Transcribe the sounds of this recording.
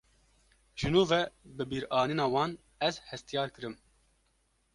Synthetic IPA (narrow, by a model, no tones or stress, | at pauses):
ʒ̥ɨnuːvɛbɨbiːɾɑːniːnɑːwɑːn | ɛzhɛst̪ijɑːɾkɨɾɨm